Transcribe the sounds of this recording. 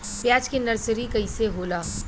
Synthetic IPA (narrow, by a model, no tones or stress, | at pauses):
pjaːd͡ʒkenɐɾsɾikɐiseɦoːlaː